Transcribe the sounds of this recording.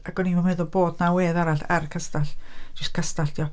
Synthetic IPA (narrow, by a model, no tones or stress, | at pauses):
aɡ̥ɔnimanmɛðʊlboːdnaweːðaɾaɬa̰rkʰəstaɬd͡ʒ̥ɪstkʰəstaɬd̥iːɔ